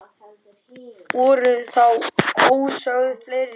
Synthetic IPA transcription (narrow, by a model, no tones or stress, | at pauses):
uːɾʏθawowsœwðfleɾ